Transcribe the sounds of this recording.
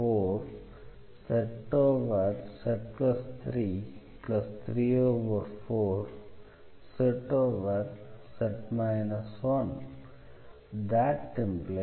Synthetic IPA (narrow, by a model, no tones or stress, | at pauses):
oːɾ | sɛʈoːʋəɾsɛʈ̚plɐst̪ʰɾiː | plʌst̪ʰɾiːoːʋəɾfoːɾ | seʈoːʋəɾsɛʈmaɪnəsʋʌ̃n | d̪æʈʈɛ̃mple